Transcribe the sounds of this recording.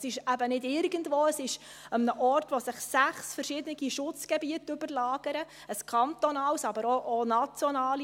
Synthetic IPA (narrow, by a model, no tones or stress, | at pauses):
sɪʃæbənɪdɪɾɡəndvʋoːəsɪʃ | əmnəʔɔrtʋosɪχsæχsfəɾʃɪd̪ənɪɡiʃʊt͡sɡ̥ɛbiətʉbəɾlɑːɡ̥əɾə | əskʰɑnt̪ɔnɑːwsɑbəɾoʔonɑt͡sjɔnɑːli